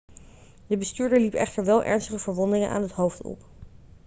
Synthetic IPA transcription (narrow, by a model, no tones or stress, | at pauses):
dəbəstyːɹdəɹlipɛ̰χtəɹʋɛlˠʔɛ̰ɹnstəχəvəɹʋɔndɪŋənʔa̰ːnɦətɦowftɔ̰p